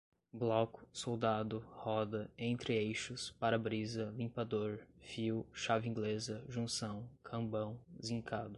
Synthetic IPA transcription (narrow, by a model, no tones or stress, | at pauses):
blɔkʊ̥sowd̪ad̪ʊhɔd̪ɐẽnt̪ɾɪejʃʊspaɾɐbɾizɐlĩpad̪oɾfiwʃavɪĩŋɡlezɐʒũsɐ̃w̃kʰɐ̃bɐ̃w̃zĩŋkʰad̪ʊ